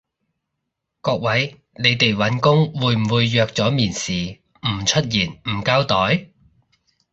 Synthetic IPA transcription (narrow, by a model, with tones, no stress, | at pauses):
kɔː˧k̚wɐ˨˥j | ne˨˧jt̪e˨jwɐ˨˥nkʊ˥ŋwuː˨˧jm̩˨˩wuː˨˧jːœː˧k̚t͡sɔː˨˥miː˨˩nsiː˨ | m̩˨˩t͡ʃʰɵ˥t̚jiː˨˩nm̩ː˨˩kaː˥wt̪ɔː˨˥j